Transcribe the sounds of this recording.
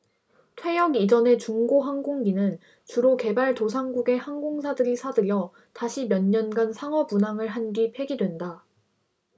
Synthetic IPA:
tʰwe̞jʌɡid͡ʑʌne̞t͡ɕuŋɡoɦaŋɡoŋɡinɯn | t͡ɕuɾoke̞baɭtos̬ʰaŋɡuɡe̞haŋɡoŋsʰadɯɾisʰadɯɾjʌ | taɕʰimjʌnɲʌnɡansʰaŋwʌbunaŋɯɭɦanɡipʰe̞ɡidwe̞nda

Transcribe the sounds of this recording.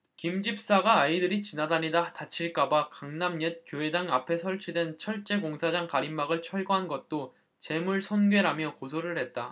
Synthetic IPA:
kimd͡ʑip̚s͈aɡaːidɯɾit͡ɕinadaɲidatat͡ɕʰiɭk͈abakaŋnamɲʌt̚kjoɦe̞daŋapʰe̞sʰʌɭt͡ɕʰidwe̞nt͡ɕʰʌɭt͡ɕ͈e̞koŋsʰad͡ʑaŋkaɾimːaɡɯɭt͡ɕʰʌɭɡoɦanɡʌt̚t͈o | t͡ɕe̞muɭsʰʌnɡɥe̞ɾamjʌkos̬ʰoɾɯɭɦe̞t̚t͈a

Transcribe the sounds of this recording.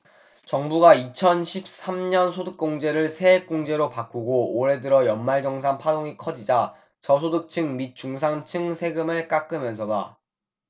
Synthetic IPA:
t͡ɕʌŋbuɡait͡ɕʰʌnɕʰip̚s͈amɲʌnsʰodɯk̚k͈oŋd͡ʑe̞ɾɯɭsʰe̞ek͈oŋd͡ʑe̞ɾopak͈uɡooɾe̞dɯɾʌjʌnmːaɭd͡ʑʌŋs̬ʰaŋpʰadoŋikʰʌd͡ʑid͡ʑa | t͡ɕʌsʰodɯk̚t͡ɕʰɯŋmit̚t͡ɕ͈uŋs̬ʰaŋt͡ɕʰɯŋsʰe̞ɡɯmɯɭk͈ak͈ɯmjʌnsʰʌda

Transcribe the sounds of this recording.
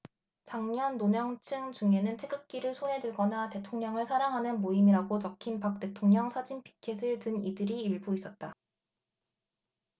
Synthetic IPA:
t͡ɕaŋɲʌnːoɲʌŋt͡ɕʰɯŋt͡ɕuŋe̞nɯntʰe̞ɡɯk̚k͈iɾɯɭsʰonɦe̞dɯɭɡʌnate̞tʰoŋɲʌŋɯɭsʰaɾaŋɦanɯnmoimiɾaɡot͡ɕʌkʰinpak̚t͈e̞tʰoŋɲʌŋsʰad͡ʑinpʰi̥kʰesʰɯɭtɯnidɯɾiːɭbuis͈ʌt̚t͈a

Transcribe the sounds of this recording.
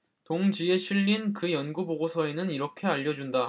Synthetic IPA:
toŋd͡ʑie̞ɕʰiʎːinkɯjʌnɡuboɡosʰʌe̞nɯniɾʌkʰe̞aʎːʌd͡ʑunda

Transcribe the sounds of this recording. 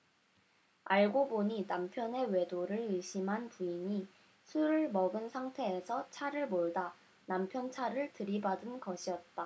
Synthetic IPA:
aɭɡoboɲinampʰjʌne̞we̞doɾɯɾɯɭɕʰimɦanpuiɲi | sʰuɾɯɭmʌɡɯnsʰaŋtʰe̞ːsʰʌt͡ɕʰaɾɯɭmoɭda | nampʰjʌnt͡ɕʰaɾɯɭtɯɾibadɯnɡʌɕʰiʌt̚t͈a

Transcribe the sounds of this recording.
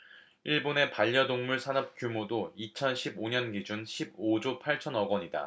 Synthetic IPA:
iɭbone̞paʎːʌdoŋmuɭsʰanʌp̚k͈jumodoit͡ɕʰʌnɕʰiboɲʌnɡid͡ʑunɕʰib̚od͡ʑopʰaɭt͡ɕʰʌnʌɡwʌɲida̰

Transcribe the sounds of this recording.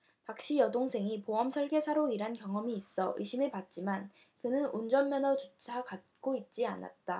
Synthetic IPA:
pak̚ɕ͈ijʌdoŋsʰe̞ŋipoʌmsʰʌɭɡe̞sʰaɾoiɾɦankjʌŋʌmiːs͈ʌʔɯ̰ɕʰimɯɭpat̚t͡ɕ͈iman | kɯnɯnund͡ʑʌmmjʌnʌt͡ɕut͡ɕʰakat̚k͈oit̚t͡ɕ͈ia̰na̰t̚t͈a

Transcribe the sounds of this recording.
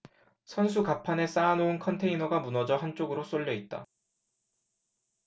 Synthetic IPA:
sʰʌnsʰukapʰane̞s͈aːnounkʰʌntʰe̞inʌɡamunʌd͡ʑʌɦant͡ɕ͈oɡɯɾos͈oʎːʌit̚t͈a̰

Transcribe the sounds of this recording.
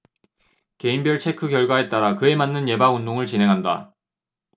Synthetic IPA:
ke̞imbjʌɭt͡ɕʰe̞kʰɯkjʌɭɡwae̞t͈aɾakɯe̞manːɯnje̞baundoŋɯɭt͡ɕinɦe̞ŋɦanda̰

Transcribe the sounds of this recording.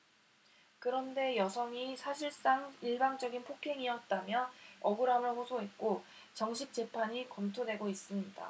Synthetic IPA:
kɯɾʌnde̞jʌsʰʌŋisʰaɕʰiɭs͈aŋiɭbaŋd͡ʑʌɡinpʰokʰe̞ŋiʌt̚t͈amjʌʌɡɯɾamɯɭɸosʰoɦe̞t̚k͈o | t͡ɕʌŋɕʰip̚t͡ɕ͈e̞pʰaɲikʌmtʰodwe̞ɡois͈ɯmɲida̰

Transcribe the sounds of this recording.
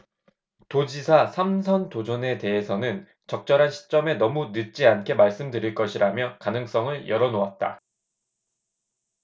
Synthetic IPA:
tod͡ʑisʰasʰamsʰʌntod͡ʑʌne̞te̞ɦesʰʌnɯn | t͡ɕʌk̚t͡ɕ͈ʌɾɦanɕʰi̥t͡ɕ͈ʌme̞nʌmunɯt̚t͡ɕ͈iankʰe̞maɭs͈ɯmdɯɾiɭk͈ʌɕʰiɾamjʌkanɯŋs͈ʌŋɯɭjʔʌɾʌnoat̚t͈a̰

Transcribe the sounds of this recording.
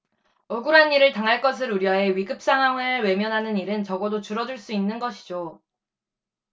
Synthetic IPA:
ɯɡuɾaniɾɯɭtaŋɦaɭk͈ʌs̬ʰɯɾuɾjae̞ɥiɡɯp̚s͈aŋɦaŋeɭwe̞mjʌnɦanɯniɾɯnt͡ɕʌɡʌdot͡ɕuɾʌduɭs͈uinːɯnɡʌɕʰi̥d͡ʑo

